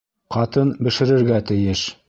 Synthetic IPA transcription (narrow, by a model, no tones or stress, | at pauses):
qɑt̪ɤnbɘ̆ʃɘ̆ɾɘ̆ɾɡæt̪ɘ̆jɘʃ